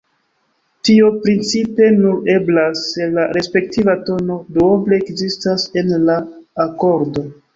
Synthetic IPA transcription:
tiopɾint͡sipe̞nue̞blaselaɾe̞spe̞k̚tivato̞no̞dooble̞ːkzistase̞nlaːko̞ɾdo̞

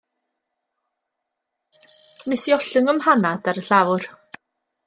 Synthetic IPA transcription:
nɪsiɔɬəŋəmhanadaɾəɬawr

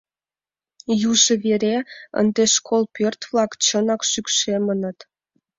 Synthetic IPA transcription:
juʒə̆βeɾeə̰nd̪eʃkʰolpørt̪vlɑkt͡ɕənɑkʃykʃemənə̆t̪

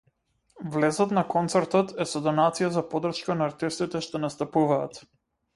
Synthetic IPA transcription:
vlɛzɔt̪nakɔnt̪sɛɾt̪ɔt̪ɛsɔd̪ɔnat̪sijazapɔd̪r̩ʃkanaːɾt̪ist̪it̪ɛʃt̪ɔnast̪apuvaːt̪

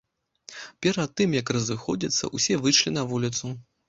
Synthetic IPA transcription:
pʲɛɾɐt̪ːɨmjɐkrɐzɨxɔd͡zʲit̪sːɐ̰ʔusʲɛvɨʂlʲinɐvulʲit̪su

